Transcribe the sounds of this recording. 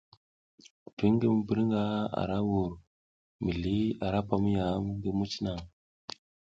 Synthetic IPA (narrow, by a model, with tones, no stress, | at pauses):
ti˦ŋ˦ɡə˦mu˨bi˨˦ɾŋɡa˦a̰˨ɾa˦wu˨ɾ | mi˨li˦a˨ɾa˦pa˦mu˦ja˨˦m˦ŋɡə˦mu˦t͡ʃi˦na˨ŋ